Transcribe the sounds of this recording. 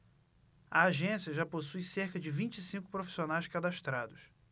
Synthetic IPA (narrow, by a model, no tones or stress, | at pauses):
ɐaʒẽsiɐʒaposujseɾkɐd͡ʒɪvĩnt͡ʃɪsĩŋkʊ̥pɾofi̥sionajʃkad̪aʃt̪ɾad̪ʊs